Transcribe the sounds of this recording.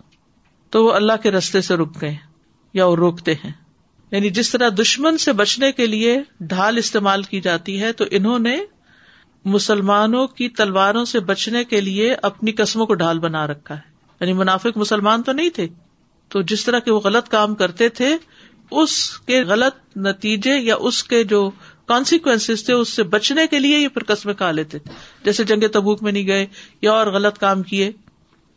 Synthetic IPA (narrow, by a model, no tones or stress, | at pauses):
t̪oʋoɐlːaɦkeɾɐst̪eseɾoːk̚ɡɐẽ | jaɔːɾɾoːkt̪eɦɛ̃ː | jaːnid͡ʒɪst̪ɐɾad̪ʊʃmənsebɐt͡ʃnekelieɖʱaːlɪst̪eːmaːlkid͡ʒaːt̪iɦɛt̪oʔɪnɦõne | mʊsəlmaːnõkit̪ɐlʋaːɾõsebɐt͡ʃnekelieʔɐpnikɐsmõkoɖʱaːlbɐnaɾɐkʰːaɦɛː | jaːnimʊnaːfɪkmʊsəlmaːnt̪onɐɦĩt̪ʰeː | t̪oːd͡ʒɪst̪ɐɾakeʋoɣɐlət̪kaːmkɐɾt̪et̪ʰe | ʊskeɣɐlət̪̚nɐt̪iːd͡ʒejaʔʊsked͡ʒoːkɔːnsɪkʋɛ̃nsɪzt̪ʰeʊsːebɐt͡ʃnekeliejepʰɪɾkɐsmẽkʰaːleːt̪et̪ʰe̥d͡ʒɛːsed͡ʒɐ̃ŋɡet̪ɐbuːkmẽnɐɦĩɡɐejaɔːɾɣɐlət̪kaːmkieː